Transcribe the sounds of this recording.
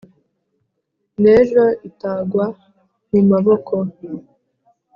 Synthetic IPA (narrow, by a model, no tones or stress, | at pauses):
neːʒoitaːɡwa | nimaβokʰo